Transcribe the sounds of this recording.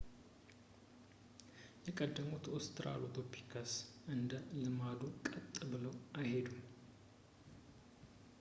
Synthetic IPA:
jɛkʼəd̪ːəmut̪ost̪ʰɾa̰lot̪ʰopʰi̥kʰəsʔɨnd̪əlɨmad̪ukʼət̪ʼːbɨləwʔajhed̪um

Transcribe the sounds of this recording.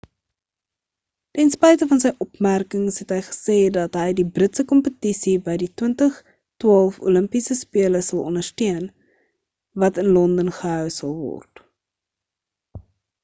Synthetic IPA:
tɛnspɛjtəfɐns̬əjʔɔpmærkəŋsɦɛtɦəjχə̥seːdɐtɦəjdibrətsəkɔmpətisibəjditwəntəχ | twɑːlˠfṵləmpisəspiələsɐlˠɔ̰ndərstiən | vɐtənlɔndənχəɦœwsɐlˠvɔ̰rt

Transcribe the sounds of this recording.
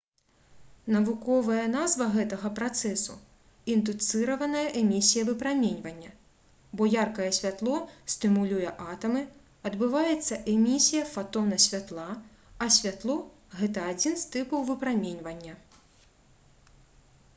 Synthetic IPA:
nɐvukɔvɐjɐnazvɐɣɛt̪ɐɣɐpɾat̪sɛsu | ind̪ut̪sɨɾɐvɐnɐjɐʔɛmʲisʲijɐvɨpɾamʲenʲvɐnʲːɐ | bɔjarkɐjɛsʲvʲat̪lˠɔsʲt̪ɨmulʲujɛʔat̪ɐmɨ | ɐd̪bɨvajɛt̪sːɐʔɛmʲisʲijɐfat̪ɔnɐsʲvʲat̪lˠa | ɐsʲvʲat̪lˠɔ | ɣɛt̪ɐːd͡zʲinst̪ɨpɐwvɨpɾamʲenʲvɐnʲːɐ

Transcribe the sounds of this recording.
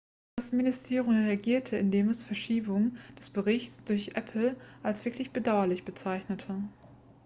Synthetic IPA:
asmɪnɪstʰeːʁʊmʁeaɡiːɐtʰəɪndeːmɛsfɛɐʃiːbʊŋd̥ɛsb̥əʁɪçt͡sd̥ʊɐçʔɛ̰pʰl̩ʔalsv̥ɪɐklɪçb̥ədaʊɐlɪçb̥ət͡saɪçnətʰə

